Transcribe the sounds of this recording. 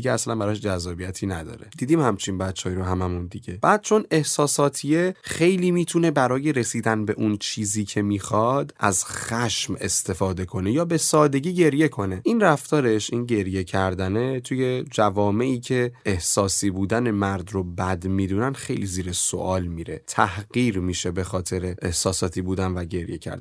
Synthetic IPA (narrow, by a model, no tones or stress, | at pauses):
iɟeæslænbæɾɒʃd͡ʒæzːɒːbijæt̪ʰiːnæd̪ɒ̰ːɾed̪̥iːd̪iːmhæmt͡ʃʰinbæt̪t͡ʃːɒːjɾoɦæmæmund̪iɟe̞b̥æːd̪̚t͡ʃʰo̞ne̞hsɒːsɒːt̪ʰije̞xe̞jliːmiːt̪ʰune̞bæɾɒːje̞ɾe̞siːd̪ænbe̞ʔunt͡ʃʰiːziːcʰe̞miːxɒd̪ʔæzχæʃme̞̰st̪ʰe̞fɒːd̪e̞kʰo̞nejɒːbe̞sɒːd̪e̞ɟiːɟe̞ɾje̞kʰo̞ne̞inræft̪ɒːɾe̞ʃʔinɟe̞ɾje̞cʰæɾd̪ænet̪ʰuje̞d͡ʒævɒːme̞ʔiːcʰe̞ehsɒːsiːbuːd̪æne̞mæɾd̪ɾobæd̪mid̪unænxe̞jliziːɾeso̰ʔɒːlmiɾe̞̰t̪ʰæhɢiːɾmiʃe̞be̞xɒːt̪ʰe̞ɾeʔehsɒːsɒːt̪ʰiːbuːd̪ænvæɟe̞ɾje̞̰cʰæ̰ɾd̪